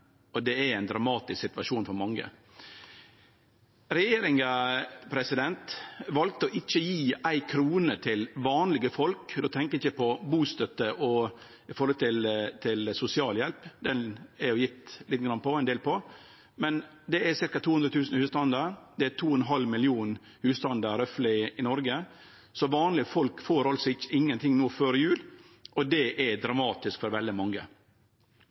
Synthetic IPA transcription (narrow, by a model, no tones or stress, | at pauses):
ɔd̪ɛæɾæɪnd̪ɾɑmɑːt̪ɪsksɪt̪ʋɑʂuːnfɔɾmɑŋːə̰ | ɾɛjeːɾɪŋɑpʰɾɛsɪd̪ɛnt̪ʋɑlk̚t̪əɔʔɪc͡çəjiːæɪkʰɾuːnət̪ʰɪlʋɑːnlɪɡəfɔlkd̪oːt̪ʰɛŋkəɾɪçəpʰɔbuːst̪œt̪ːəʔɔ | ɪfɔɾhɔlt̪ʰɪlt̪ʰɪlsʊsɪɑːljɛlpd̪ɛnɛɾjʊjɪt̪ːlɪːt̪ːəɡɾɑnpɔɛɪnd̪eːlpʰɔ | mɛn | d̪ɛɛsɪɾkɑt̪ʰuːhʉnd̪ɾət̪ʰʉːsn̩hʉːst̪ɑnd̪əɾd̪ɛɛt̪ʰuːɔnɦɑlmɪlɪuːn | hʉːst̪ɑnd̪əɾœflɪɪnɔɾɡə | sɔʋɑːnlɪəfɔlkfoːɾɑlsɔɪçːəɪŋːənt̪ʰɪŋnuːføːɾɪjʉːl | ʔɔd̪ɛʔɛd̪ɾɑmɑːt̪ɪskfɔɾʋɛld̪ɪmɑŋːə